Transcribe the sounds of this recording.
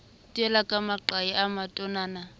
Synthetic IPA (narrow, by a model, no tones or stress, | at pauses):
tʼiɛlakʼamaǃajiʔamatʼɔnaːna